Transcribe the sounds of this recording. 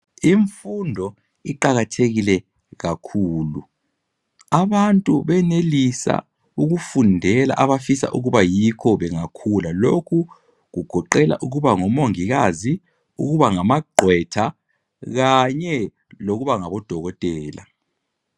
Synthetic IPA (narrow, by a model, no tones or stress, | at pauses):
iɱfundʱɔ | iǃaɣatʰeɣilɛ | ɣakʰuːlu | aβantʼuβɛnelisa̰ | uɣufundʱɛla̰ʔaβafisa̰ʔuɣuβajikʰɔβɛŋakʰulalokʰu | ɣuɡ̥ʱɔǃɛla̰ʔuɣuβaŋɔmoŋiɣazi | uɣuβaŋamaɡ͡ǃʱwɛtʰa | ɣaɲɛ | loɣuβaŋaβɔd̥ʱɔɣɔtʼɛːla̰